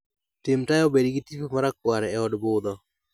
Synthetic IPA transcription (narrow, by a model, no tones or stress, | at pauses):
tɪmtajobedɡɪtipomaɾakwaɾɛɛɔdbʊd̪ɔ